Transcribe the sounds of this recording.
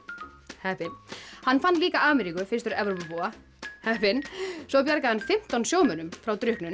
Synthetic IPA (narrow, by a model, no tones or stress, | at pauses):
hɛhpɪnhanːfanːliːkaʔaːmɛɾikʏfɪrst̪ʏɾɛvɾɔpvɔa | hɛhpɪnsɔpjaɾkahanfɪm̥t̪ansjoːwmœnʏmfɾawt̪ɾʏhknʏn